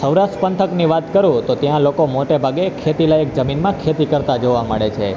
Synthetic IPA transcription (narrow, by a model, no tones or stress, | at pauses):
səwɾaʃʈpənt̪ʰəkniʋat̪kəɾũt̪ot̪jãlokomoʈebʱaɡekʰet̪ilajək̚d͡ʒəminmãkʰet̪ikəɾt̪ad͡ʒoʋaməɭet͡ʃʰe